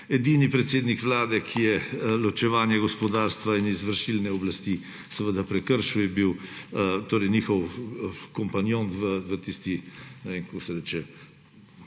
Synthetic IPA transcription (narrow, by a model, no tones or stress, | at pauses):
ɛd̪iːnipɾɛt̪seːd̪nikʋlaːd̪ɛkʰijɛlɔt͡ʃɛʋaːnjɛɡɔspɔd̪aːɾst̪ʋainizʋəɾʃilnɛɔblast̪i | sɛʋəd̪apɾɛkəɾʃujɛbiwt̪oːɾɛjniːxɔwkɔmpanjont̪ʋəʋət̪ist̪inɛʋeːŋkosɛɾɛːt͡ʃɛ